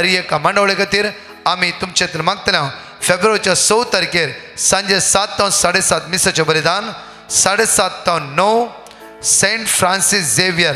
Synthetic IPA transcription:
ɐɾijekːamɐ̃ɳɖəʋɭekat̪iːɾ | amit̪umt͡ɕet̪lmãɡ̚t̪ljã | febɾʋəɾt͡ɕasowt̪ɐɾikeɾ | sɐ̃ɲd͡ʑesat̪ːãwnsaɽesat̪misɐt͡ɕebɐlid̪aːn | saɽesat̪ːãnnɔw | sẽɳʈfʰɾãnsisd͡zeʋijɐɾ

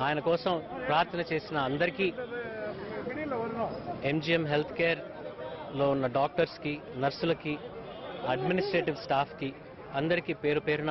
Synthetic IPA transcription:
aːjɐnɐkɔːsɐmpɾaːɾt̪ʰɐnɐt͡ʃe̞ːsinɐːnd̪ɐɾikiː | e̞md͡ʒiːemɦe̞lt̪ʰkeːɾ | lo̞ːunːɐɖaːk̚ʈɐɾskinɐɾsulɐki | ɐɖminisʈɾeːʈiʋsʈaːpʰki | ɐnd̪ɐɾikipe̞ːɾupeːɾunɐ

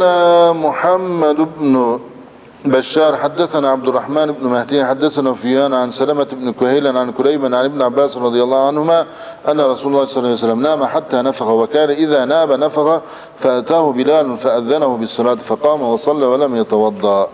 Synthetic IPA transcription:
ʔanamʊħamːad̪ɪbn | baʃːɑːɾˤħad̪ːaθanaːʕab̚d̪ʊrˤːɑħmaːnɪbnʊmahd̪iːħad̪ːaθanaːfʊjaːnʕansalamaɪbnkʊhaːlanʕankʊɾajbanʕanɪbnʕabːaːsɾˤɑd̪ˤɨjɑlˤːɑːʕanhʊmaː | ʔanːaɾˤɑsuːlɑlːɑːhsˤɑlːas̬alːamnaːmaħat̪ːaːnafaɣawakaːnaʔɪðaːnaːbanafaɣa | faʔat̪aːhʊbɪlaːlnfaʔaðːanahʊbɪsˤːɑlaːt̪fɑqɑːmawɑsˤɑlːaːwalamjɑt̪ɑwɑd̪ˤːɑ

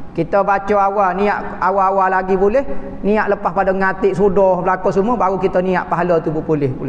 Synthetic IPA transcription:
kit̪əbat͡ʃɔawaniaʔ | awaːwalaɡibolɛh | niaʔləpahpadɔŋat̪ɪʔsudɔhbəlakɔsumuəbaɾukit̪əniaʔpaɦalət̪ubupulɪhbulɛ

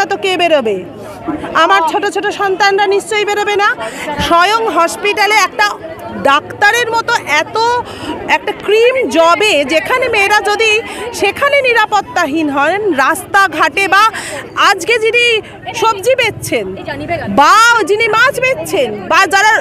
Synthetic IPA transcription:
at̪okebeɾobe | amaɾt͡ɕʰoʈot͡ɕʰoʈoʃɔnt̪anɾaniʃt͡ɕoijbeɾobenaʃɔjoŋɦɔʃpiʈaleɛk̚ʈa | ɖakt̪aɾeɾmɔt̪oʔɛt̪o | ɛk̚ʈakɾimd͡ʑɔbed͡ʑekʰanemeɾad͡ʑod̪iʃekʰaneniɾapot̪ːaɦinɦɔenɾast̪aɡʱaʈebaad͡ʑɡed͡ʑini | ʃobd͡ʑibetːt͡ɕʰenbad͡ʑinimad͡ʑʰbet̪ːt͡ɕʰenbad͡ʑaɾa

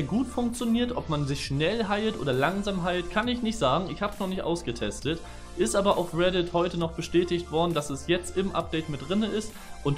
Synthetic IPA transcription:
ɡuːtfʊŋk̚t͡sjoniːɐtʔɔpmanzɪçʃnɛlɦaɪltʔo̰ːdɐlaŋzaːmɦaɪltkʰanɪçnɪçtz̥aːɡŋ̩ɪçhaːbəsnɔχnɪçtʔa̰ʊsɡ̥ətʰɛstət | ʔɪstʔaːbɐʔaʊfʁɛdɪthɔʏtənɔχb̥əʃtɛːtɪçtv̥ɔɐdn̩dasɛsjɛt͡stɪmʔa̰p̚d̥ɛɪtmɪt̚d̥ʁɪnəʔɪst | ʔʊnt

